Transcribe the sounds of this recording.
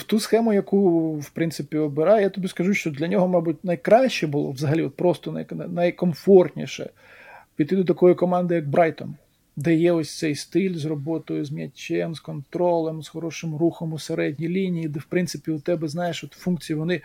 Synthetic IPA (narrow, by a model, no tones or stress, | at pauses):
wt̪usxɛmʊjɐkuwpɾɪnsɪpʲiɔbɪɾɑjɛjat̪ɔbʲiskɐʒuʃt͡ʃɔd̪lʲɐnʲɔɦɔmɑbutʲnɐjkɾɑʃʲt͡ʃɛbʊlˠɔ̰ʋzɐɦɐlʲiɔt̪̚pɾɔst̪ɔnɐjnɛnɐjkɔmfɔrt̪ʲnʲḭʃɛ̰ | pʲid̪ɪd̪ɔt̪ɐkɔjʊkɔmɑnd̪ɪjɐɡ̚bɾɑjt̪ɔ̰m | d̪ɛjɛɔsʲt̪sɛjst̪ɪlʲzrɔbɔt̪ɔjʊzmʲjɐt͡ʃʲːɛmskɔnt̪ɾɔlˠɛmzxɔɾɔʃɪmruxɔmʊseɾɛdʲnʲijlʲinʲijid̪ɛwpɾɪnt̪sɪpʲiʊt̪ɛbɛznɑjeʃɔt̪funk̚t͡sʲijiʋɔnɪ